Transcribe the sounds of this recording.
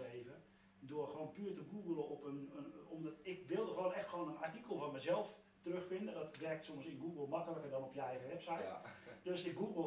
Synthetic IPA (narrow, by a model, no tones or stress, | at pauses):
eːvə | dʊərxəʋoːnpyːtəɡuːɡəlˠəɔpənɔmdɔtɪk̚ʋɪlˠdəxʋoːnɛxtxoːnənartikəlˠfɔnmɛjzɛlˠf | tərøxfɪndədɔtʋɛrk̚tsomsɪnɡuɡəlˠmakəlˠəkərdɔnɔpjəɛjɣəʋɛpsajtd̥øsdəɡuːɡə